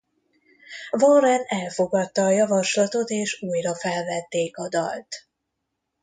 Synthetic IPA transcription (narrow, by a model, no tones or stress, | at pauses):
vorɛnɛlfo̞ɡɒt̪ːɒːjɒvɒʃlɒt̪o̞t̪eːʃuːjrɒfɛlvɛt̪ːeːkɒd̪ɒ̰lt̪